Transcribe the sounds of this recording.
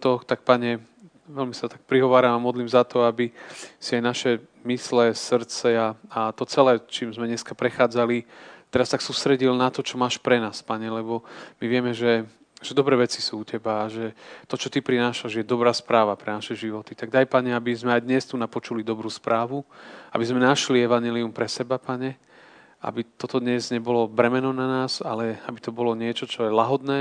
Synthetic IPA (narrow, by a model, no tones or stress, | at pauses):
t̪ɔt̪ak̚paɲɛ | ʋɛlmisat̪ak̚pɾiɦɔʋaːɾamamɔd̪liːmzat̪ɔabisiajnaʃɛ | mislɛsr̩t͡sɛaat̪ɔt͡sɛlɛːt͡ʃiːmzmɛɲɛskapɾɛxaːd͡zalit̪ɛɾast̪aksuːst̪ɾɛɟilnat̪ɔt͡ʃɔmaːʃpɾɛnaːspaɲɛlɛbɔmiʋɪɛmɛʒɛ | ʒ̥ɛd̪ɔbɾɛːʋɛt͡sisuːucɛbaːʒɛt̪ɔt͡ʃɔt̪ipɾinaːʃaʒɛjɛd̪ɔbɾaːspɾaːʋapɾɛnaʃɛʒiʋɔt̪it̪aɡ̚d̪ajpaɲɛabizmɛajd̪ɲɛst̪unapɔt͡ʃulid̪ɔbɾuːspɾʔaːʋua̰bizmɛnaʃliɛʋaɲɛliumpɾɛsɛbapaɲɛ | a̰bit̪ɔt̪ɔd̪ɲɛzɲɛbɔlɔbɾɛmɛnɔnanaːzalɛabit̪ɔbɔlɔɲɪɛt͡ʃɔt͡ʃɔjɛlaɦɔd̪nɛː